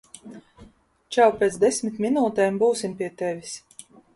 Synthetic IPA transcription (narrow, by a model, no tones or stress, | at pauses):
t͡ʃæwpʲeːt̪sd̪esʲmʲit̪ʲmʲinuːt̪ɛːmbuːsimpʲiɛt̪evʲis